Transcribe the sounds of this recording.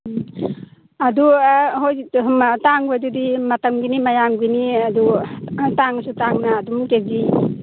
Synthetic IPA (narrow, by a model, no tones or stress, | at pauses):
aduɦojmtaŋbajdudimɐtamɡinimajaŋɡiniadutaŋsutaŋnaːdumteɡi